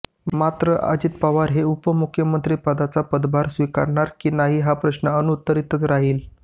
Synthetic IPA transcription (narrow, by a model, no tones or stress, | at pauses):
mat̪ɾəʔa̰d͡ʑiːt̪paʋaɾɦeupəmukʰjəmənt̪ɾiːpad̪at͡sapəd̪baɾsʋika̰ɾɳaɾkiːnaɦiːɦapɾəɕnəənut̪ːəɾit̪ət͡sɾaɦiːl